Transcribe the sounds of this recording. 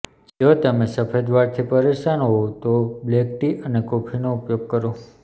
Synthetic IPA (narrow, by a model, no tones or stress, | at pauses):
d͡ʒot̪əmesəpʰed̪ʋaɾt̪ʰipəɾeʃanoɦot̪oblekʈiənekopʰinoupjoɡ̚kəɾo